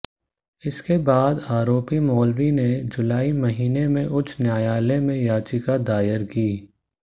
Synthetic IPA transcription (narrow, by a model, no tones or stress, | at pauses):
ɪskebaːd̪aːɾoːpimɔːlɾined͡ʒʊlaːimɐɦiːnemẽʔʊt͡ʃʰnjaːjaːlemẽjaːt͡ʃikad̪aːjəɾkiː